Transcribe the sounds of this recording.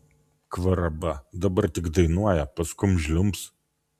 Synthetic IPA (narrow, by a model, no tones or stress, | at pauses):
kʋɐɾɐbɐd̪ɐbɐɾt̪ʲɪkd̪ɐɪnuɔjɛpɐskʊmʒʲlʲʊmps